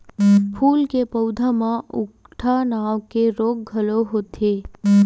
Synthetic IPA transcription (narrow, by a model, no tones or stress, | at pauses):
pʰulkepəwd̪ʱamãʊk | ʈʰanaʋkeɾoɡ̚ɡʱəloɦot̪ʰe